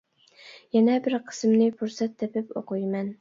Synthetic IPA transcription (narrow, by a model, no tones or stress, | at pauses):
jɛnɛbɪɾqʰə̥smnɪpʰuɾsɛt̪ːepɪpo̰qʰujmɛn